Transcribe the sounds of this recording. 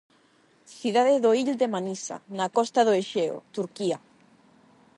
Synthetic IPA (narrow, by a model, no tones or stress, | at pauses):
θiðaðeðoiʎd̪emanisa̰nakɔst̪aðoeʃeo̰t̪uɾkia